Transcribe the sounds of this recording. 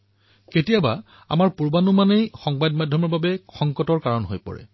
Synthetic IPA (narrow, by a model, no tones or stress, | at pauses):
ketijaba | a̰maɹpuɹbanumanejxɔŋbadmadʱjɔmɔɹbabɛxɔŋkɔtɔɹkaɹɔnɦojpɔ̰ɹɛ̰